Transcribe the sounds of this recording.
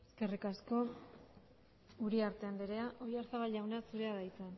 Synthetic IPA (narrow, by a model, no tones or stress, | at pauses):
e̥ske̞rikasko̞ | uɾiaɾt̪e̞and̪eɾe̞aʔo̞jaɾθaβaʎawneasuɾe̞aðajt͡sen